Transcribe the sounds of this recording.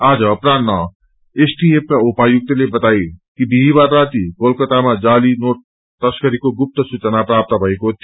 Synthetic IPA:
ad͡zʌːpɾannʌ | esʈiep̚kaupajuk̚t̪ʌlebʌt̪ajkibiɦibarːat̪ikolkʌt̪amad͡zalinoʈ̚ | t̪ʌskʌɾikoɡup̚t̪ʌsut͡sʌnaprap̚t̪ʌbʱʌekot̪

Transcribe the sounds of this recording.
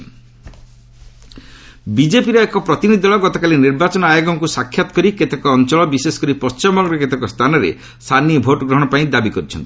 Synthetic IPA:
bid͡ʒepiɾɔekɔpɾɔt̪inid̪ʱɔɭɔɡɔt̪ɔkaliniɾbat͡ʃɔnɔajɔɡɔŋkusakʰːjat̪ɔ̥kɔɾiket̪ekɔːnt͡ʃɔɭɔbisesɔ̥kɔɾipɔst͡ʃimɔɡɾɔket̪ekɔst̪ʰanɔɾḛ | st̪ʰaniɔbʱoʈɔɡɾɔɦɔɽ̃ɔpaĩd̪abikɔɾit͡ʃʰɔnt̪i̥

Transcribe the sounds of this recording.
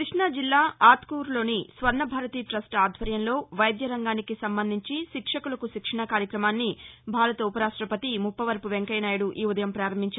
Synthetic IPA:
kɾiʂɳɐd͡ʒilːaːaːt̪kuːɾlo̞ːnisʋɐɾnɐbʱaːɾɐt̪iːʈɾɐsʈaːd̪ʱʋɐɾjɐnlo̞ːʋɐjd̪jɐɾɐŋɡaːnikisɐmbɐnd̪ʱiɲt͡ʃiʃikʂɐkulɐkuʃikʂɐɳɐkaːɾjɐkɾɐmaːnːibʱaːɾɐt̪ɐupɐɾaːʂʈɾɐpɐt̪imupːɐʋɐɾpuʋeŋkɐjnaːjɐɽuʔiːud̪ɐjɐmpɾaːɾɐmːiɲt͡ʃɐi

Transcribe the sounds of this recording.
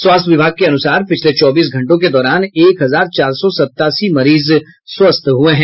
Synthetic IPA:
swaːst̪ʰʋɪbʱaːɡ̚keɐnʊsaːɾpɪt͡ʃʰlet͡ʃɔːbiːs̬ɡʱɐ̃ɳʈõk̬ed̪ɔːɾaːneːkɦɐzaːɾt͡ʃaːɾsɔsɐt̪ːaːsimɐɾiːz | swɐst̪ʰɦueɦɛ̃ː

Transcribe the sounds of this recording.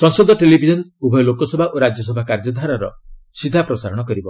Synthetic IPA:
sɔŋsɔd̪ʱɔʈelibʱid͡ʒɔnubʱɔjlokɔsɔbʱaʔoɾad͡ʒjɔsɔbʱakaɾd͡ʒɔd̪ʱaɾaɾɔ̰ | sid̪ʱːapɾɔsaɾɔɽ̃ɔkɔɾibɔ

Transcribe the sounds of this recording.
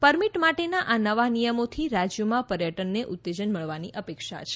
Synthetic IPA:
pəɾmiʈmaʈenaʔanəʋanijəmot̪ʰiɾad͡ʒjomãpəɾjəʈənːeʔʊt̪ːed͡ʒənməɭʋaniʔəpekʃa̰t͡ʃʰe̥

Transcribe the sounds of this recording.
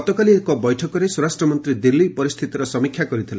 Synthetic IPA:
ɔt̪ɔkaliekɔbɔjʈʰɔkɔɾesɔɾasʈɾɔmɔnt̪ɾid̪ilːipɔɾist̪ʰit̪iɾɔsɔmikʰːjakɔɾit̪ʰila

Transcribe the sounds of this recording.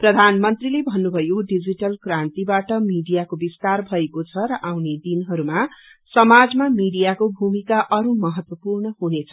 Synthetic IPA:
prʌd̪ʱanmʌnt̪rilebʱʌnːubʱʌjoɖid͡ziʈʌlkrant̪ibaʈʌmiɽijakobist̪arbʱʌekot͡sʰʌɾʌʔawned̪inɦʌɾumasʌmad͡zmamiɽijakobʱumikaʔʌɾumʌɦʌt̪wʌpurɳʌhunet͡sʰʌ̥

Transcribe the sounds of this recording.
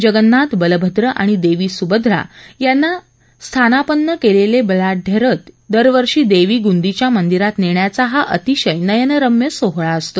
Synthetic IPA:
d͡ʑəɡənːat̪bələbʱəd̪ɾəʔa̰ɽ̃id̪eʋiːsubəd̪ʱɾa̰janːa | st̪ʰanapənːəkelelebəlaʈ̚ɖʱeɾət̪d̪əɾʋəɾʂiːd̪eʋiːɡund̪it͡ɕjamənd̪iɾat̪neɳjat͡saɦaʔət̪iɕəjnəjənəɾəmjəsoɦɭaəst̪o

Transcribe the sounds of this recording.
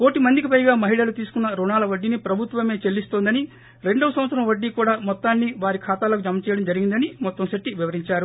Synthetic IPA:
ko̞ːʈimɐnd̪ikipɐjɡaːmɐɦiɭɐlut̪iːsu̥kunːɐɾuɳaːlɐʋɐɖːinipɾɐbʱut̪ʋɐme̞ːt͡ʃe̞lːist̪o̞ːnd̪ɐni | ɾe̞ɳɖɐʋɐsɐmʋɐt̪sɐɾɐmʋɐɖːikuːɽaːmɔt̪ːaːnːiʋaːɾikʰaːt̪aːlɐkud͡ʒɐmːɐt͡ʃɛːjɽɐmd͡ʒɐɾiɡind̪ɐnimɔt̪ːɐmʃeʈːiʋiʋɐɾiɲt͡ʃaːɾu

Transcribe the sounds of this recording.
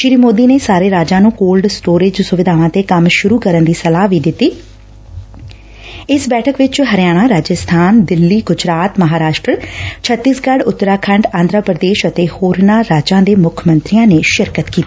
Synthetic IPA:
ʃɪɾiːmoːd̪iːneːsaːɾeːɾaːd͡ʒãːnũːkoːlɖsʈoːɾɪd͡ʒsʊʋɪd̪ʱaːʋãːt̪eːkəmʃʊɾuːkəɾənd̪iːsəlaːʋiːd̪ɪt̪ːiː | ɪsbɛːʈʰəkʋɪt͡ʃɦəɾjaːɽ̃aːɾaːd͡ʒəst̪ʰaːnd̪ɪlːiːɡʊd͡ʒɾaːt̪məɦaːɾaːʃʈɾət͡ʃʰət̪ːisɡəɽʊt̪ːɾaːkʰəɳɖãːnd̪ɾəpɾəd̪eːʃət̪eːhoːɾnaːɾaːd͡ʒãːd̪eːmʊkʰmənt̪ɾijãːneːʃɪɾkət̪kiːt̪iː

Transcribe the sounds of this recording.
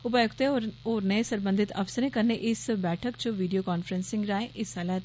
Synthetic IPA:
ʊpaːjʊkt̪eoːɾneːsəɾbənd̪ʱɪt̪ɐ̰psəɾẽkəɾneʔɪsbɛːʈʰəkt͡ʃʊʋiːɖijoːkaːnfəɾənsɪ̃ŋɡɾaːẽʔɪsaːlɛːt̪

